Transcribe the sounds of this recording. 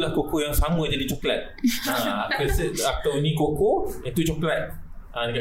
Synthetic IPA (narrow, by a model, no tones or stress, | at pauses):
lahkokojaŋsamə̃d͡ʒadit͡ʃoklat̪̚aakəsat̪awinĩkokoit̪ut͡ʃoklat̪̚ʔãdika